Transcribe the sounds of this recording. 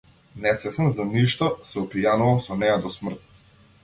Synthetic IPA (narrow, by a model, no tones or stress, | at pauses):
nɛsɛsɛnzaniʃt̪ɔsɛɔpijanuvalˠsɔnɛjad̪ɔsmr̩t̪̚